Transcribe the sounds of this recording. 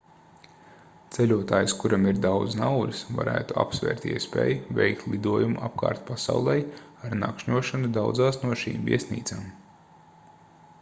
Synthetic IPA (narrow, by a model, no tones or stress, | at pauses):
t̪sɛlʲuɔt̪aːjskuɾamiɾd̪awd̪znawlʲisva̰ɾæ̰ːt̪ua̰psvɛ̰ːɾt̪ḭɛspɛ̰ːjuvʲɛ̰jkt̪lˠid̪uɔjumuʔapka̰ːɾt̪pasa̰wlˠɛjaɾna̰kʃɲuɔʃanud̪awd̪zaːsnuɔʃḭːmvʲḭɛsnḭːt̪saːm